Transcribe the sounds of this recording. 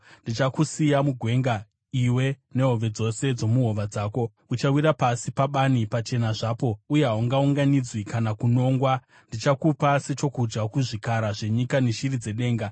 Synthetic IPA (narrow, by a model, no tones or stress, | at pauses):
ndit͡ʃakusijamuɡʱwe̞ŋɡa | iwe̞ | ne̞ɦo̞ʋe̞d͡zo̞se̞d͡zo̞muɦo̞ʋad͡zaːko̞ | ut͡ʃawiɾapasipaɓanipat͡ʃe̞naʐaːpo̞uje̞ɦawuŋɡauŋɡanid͡zwikanakuno̞ːŋɡwa | ndit͡ʃakupase̞t͡ʃo̞kud͡ʒɡakuʐikaɾaʐe̞ɲikaneʃirid͡ze̞ɗe̞ːŋɡa